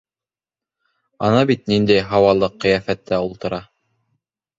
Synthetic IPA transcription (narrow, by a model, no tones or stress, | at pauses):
ɑnɑbit̪̚nind̪æjɦɑwɑlˠɤqːɤ̆jæfæt̪ːæulˠt̪ɤ̆ɾɑ